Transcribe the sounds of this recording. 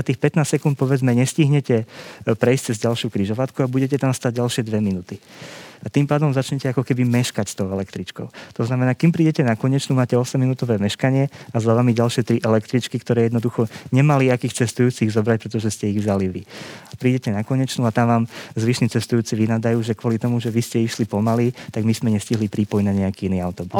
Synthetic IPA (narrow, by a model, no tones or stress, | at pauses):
at̪iːxpɛt̪naːst̪sɛkunt̪̚pɔʋɛd͡zmɛɲɛsciɦɲɛcɛpɾɛist͡sɛzɟalʃjukɾiʒɔʋat̪kuabuɟɛcɛt̪amst̪aɟ̚ɟalʃɪɛd̪ʋɛminut̪iat̪impaːd̪ɔmzat͡ʃɲɛcɛakɔkɛbimɛʃkacst̪ɔʊɛlɛkt̪ɾit͡ʃkɔʊt̪ɔznamɛnaːkimpɾiːɟɛcɛnakɔɲɛt͡ʃnuːmaːcɛɔsɛmːinut̪ɔʋɛːmɛʃkaɲɪɛazaʋamiɟalʃɪɛt̪ɾiʔɛlɛkt̪ɾit͡ʃkikt̪ɔɾɛːjɛd̪nɔd̪uxɔɲɛmaliakiːxt͡sɛst̪ujuːt͡siɣzɔbɾac̚pɾɛt̪ɔʒɛscɛiɣvzaliʋiapɾiːɟɛcɛnakɔɲɛt͡ʃnuːat̪amʋaːmzʋiʃniːt͡sɛst̪ujuːt͡siʋinaːd̪ajuːʒɛkʋɔlit̪ɔmuʒɛʋiscɛiʃlipɔmalit̪aɡmismɛɲɛsciɦlipɾiːpɔjnaɲɛakiːiniːaʊt̪ɔbus